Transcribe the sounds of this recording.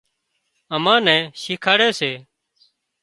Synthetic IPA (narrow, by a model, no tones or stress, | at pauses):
əmãːnɛ̃ːʃɪːkʰaːɽeːseː